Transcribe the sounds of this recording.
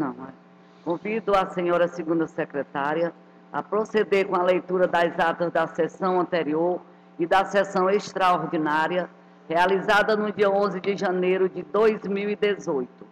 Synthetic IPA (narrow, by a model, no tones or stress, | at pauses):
nɐ̃w̃ɛ | kõvid̪ʊasẽɲɔɾɐsɪɡũnd̪ɐsekɾɛt̪aɾjɐ | a̰pɾosed̪eɾkõɐlejt̪uɾɐd̪ɐzat̪ɐzd̪ɐsɛsɐ̃w̃ɐ̃nt̪eɾioɾ | ɪd̪ɐsɛsɐ̃w̃eʃt̪ɾaoɾd͡ʒinaɾiɐ | healizad̪ɐnʊd͡ʒiɐõzɪd͡ʒɪʒɐ̃nejɾʊd͡ʒɪd̪ojzmiwid̪ezojt̪ʊ̥